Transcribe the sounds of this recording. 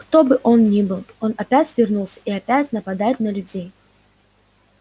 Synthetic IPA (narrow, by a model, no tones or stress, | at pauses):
kt̪obɨʔonnʲibɨlˠonɐpʲæt͡sʲvʲɪrnulˠsʲə̥iɐpʲæt͡sʲnɐpad̪ajɪt̪nɐlʲʉd͡zʲej